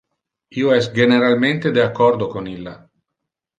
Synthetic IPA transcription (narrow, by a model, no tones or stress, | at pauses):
iːoɛsɡeneɾalment̪ed̪eakːɔrd̪okonilːa